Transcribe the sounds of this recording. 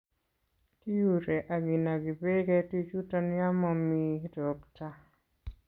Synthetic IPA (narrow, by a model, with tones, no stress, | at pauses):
ti˦ju˨ɾɛ˨ʔa˨ɡi˨na˨ɡi˨be˦ɡɛ˦ti˦t͡ʃu˦tɔ˦nja˦mɔ˨midɔ˨kta˦